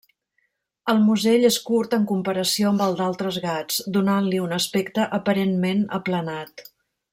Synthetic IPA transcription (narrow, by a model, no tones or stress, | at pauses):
əlˠmuzeʎeskuɾt̪əŋkumpəɾəsioəmbəlˠd̪alˠt̪ɾəzɣad͡zd̪unanliunəspɛkt̪əʔəpəɾenmenə̰plənat̪